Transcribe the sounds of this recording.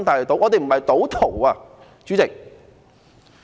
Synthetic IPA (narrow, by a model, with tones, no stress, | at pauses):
nt̪aː˨jle˨˩t̪o˨˥wŋɔː˨˧e˨jm̩˨˩mɐ˨jt̪o˨˥wt̪ʰo˨˩waː˧ | t͡ɕt͡ʃyː˨˥t͡sɪ˨k̚